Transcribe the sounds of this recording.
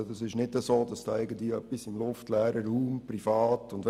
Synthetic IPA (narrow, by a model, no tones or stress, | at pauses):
dɑsɪʃnɪdəsoːd̥ɑsd̥ɑːɛɪɡəntliœpːisɪmlʊftlæːɾəɾuːmprifɑːtʊndʋ